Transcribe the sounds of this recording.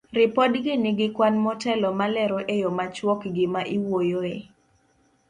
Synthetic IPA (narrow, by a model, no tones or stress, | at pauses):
rɪpɔdɡɪnɪɡɪkwanmɔtɛlɔmalɛɾoʔejomat͡ʃwɔkɡɪmaʔiwojoe